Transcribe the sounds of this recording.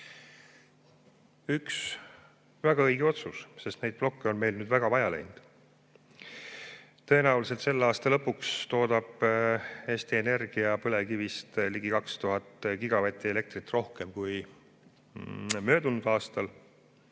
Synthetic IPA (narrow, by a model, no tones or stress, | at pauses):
yks | væɡ̥ɑɤjɡ̥eo̞t̪susse̞st̪ne̞jd̪̚plo̞kːeonme̞jlnyːd̪væɡ̥ɑvɑjɑlḛjnd̪̥ | t̪ɤ̞e̞næulise̞lt̪se̞lːeɑːst̪ɑlɤpːˑukst̪o̞ːd̪̥ɑb̥ | e̞ːst̪iene̞rɡ̥iɑpɤle̞kivist̪liɡ̥ikɑkst̪uɦɑt̪ːkiɡ̥ɑvæt̪ʲːˑiele̞k̚t̪rit̪ːˑro̞hke̞mkuj | mø̞ːd̪unːusɑːst̪ɑl